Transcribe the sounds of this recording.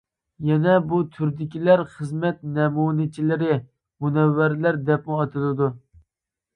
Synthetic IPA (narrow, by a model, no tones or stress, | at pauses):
jɛnɛbut̪ʰyɾd̪ɪkʲilæɾχəzmɛt̪nɛmuːnɪt͡ʃʰilɪɾɪ | munɛvːæɾlæɾd̪ɛp̚muɑt̪ʰɨlˠɨd̪u